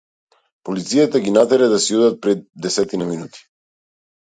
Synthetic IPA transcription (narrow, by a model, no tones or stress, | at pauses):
polit̪sijat̪aɡinat̪ɛɾɛd̪asiɔd̪at̪̚pɾɛd̪̚ːɛsɛt̪inaminut̪i̥